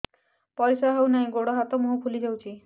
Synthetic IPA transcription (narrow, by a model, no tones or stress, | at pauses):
pɔɾisaɦewnaɦĩɡoɽɔɦat̪ɔmuɦupʰulid͡ʒawt͡ʃʰi